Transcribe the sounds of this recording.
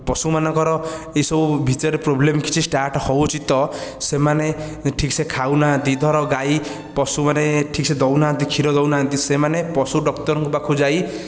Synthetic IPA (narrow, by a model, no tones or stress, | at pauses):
pɔsumanɔŋkɔɾɔ | eisɔbubʱit͡ʃɔɾepɾoblemkit͡ʃʰisʈaɾʈhɔwt͡ʃʰit̪ɔsemane | ʈʰiksekʰawnant̪id̪ʱɔɾɔɡaj | pɔsumaneʈʰik̚sʰed̪ɔwnant̪̬ikʰiɾɔd̪ɔwnant̪isemanepɔsuɖɔkt̪ɔɾɔŋkubakʰud͡ʒaj